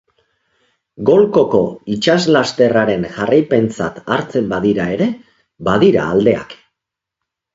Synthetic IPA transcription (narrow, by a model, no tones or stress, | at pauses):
ɡo̞lko̞ko̞it͡ʃazlast̪e̞raɾe̞nʝarajpe̞nt͡sa̰t̪aɾt͡se̞mbaðiɾae̞ɾe̞ | baðiɾa̰ːld̪e̞a̰k